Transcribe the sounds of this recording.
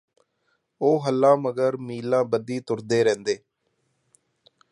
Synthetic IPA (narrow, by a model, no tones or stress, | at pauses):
oːɦəlːãːməɡəɾmiːlãːbəd̪iːt̪ʊɾd̪eːɾɛ̃ːnd̪eː